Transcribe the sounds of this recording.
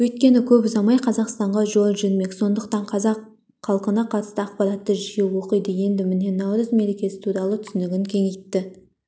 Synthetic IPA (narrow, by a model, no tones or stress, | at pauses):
wɵt̪̚kʲe̞nɪkʲʰɵpzɑmɑjqʰɑzɑqst̪ɑɴʁɑʒo̞lˠʒʏnme̞kʲso̞nd̪əqt̪ɑɴqʰɑzɑq | χʰɑlˠqənɑqʰɑt̪ə̥st̪əɑq̚pɑɾɑt̪ːəʒijɪwo̞qəjd̪əje̞nd̪ɪmɪne̞nɑwɾəzme̞ɾekʲe̞sɪ̥t̪ʰuɾɑlˠət̪ʰʏ̥sɪnɪɡʲɪŋkʲʰe̞ŋe̞jt̪ːɪ